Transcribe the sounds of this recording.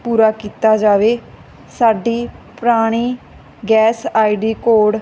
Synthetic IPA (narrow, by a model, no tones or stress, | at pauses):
puːɾaːkiːt̪aːd͡ʒaːʋeː | saːɖiːpɾaːɽ̃iː | ɡɛːsaːiɖiːkoːɖ